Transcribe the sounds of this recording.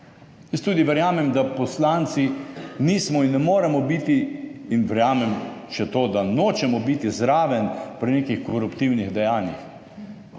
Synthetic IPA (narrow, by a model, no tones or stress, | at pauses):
jɛst̪uːd̪iʋɛɾjaːmɛmd̪apɔslant̪siniːsmɔinːɛmoːɾɛmɔbit̪iːnʋɛɾjaːmɛmʃɛt̪oːd̪anot͡ʃɛmɔbit̪izɾaːʋɛnpɾinekixkɔɾupt̪iwniɣd̪ɛjaːnjix